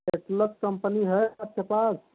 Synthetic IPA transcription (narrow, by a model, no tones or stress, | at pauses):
eʈləskəmpəniɦəap̚kepas